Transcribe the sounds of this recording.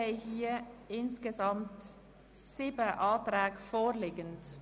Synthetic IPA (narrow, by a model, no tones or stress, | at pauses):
aɪhiːɐɪnskezɑmt | siːbəʔɑːtʁɛːkfoːliːɡənt